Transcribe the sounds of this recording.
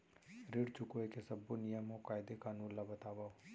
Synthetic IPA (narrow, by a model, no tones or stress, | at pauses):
ɾɪɽt͡ʃʊkoekesɐbːonijəmokaːɪd̪ekaːnũːnlabɐt̪aːʋa